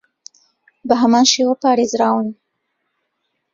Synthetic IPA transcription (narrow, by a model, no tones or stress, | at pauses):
bəɦamɑnʃewopɑːɾezɾɑwn